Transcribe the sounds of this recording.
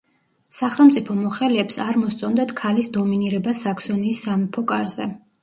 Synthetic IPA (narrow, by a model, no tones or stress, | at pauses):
saχɛlˠmt̪sʼipʰɔmɔχɛliɛpsaɾmɔst̪sʼɔnd̪ad̪kʰalisd̪ɔminiɾɛbasakʰsɔniːsːamipʰɔkʼaɾzɛ̰